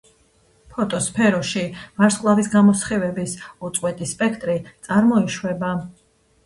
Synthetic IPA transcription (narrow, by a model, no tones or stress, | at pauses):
pʰɔt̪ʼɔspʰɛɾɔʃivaɾskʼlˠavisɡamɔsχivɛbisut̪sʼwɛt̪ʼispʼɛkʰt̪ʼɾit̪sʼaɾmɔiʃwɛba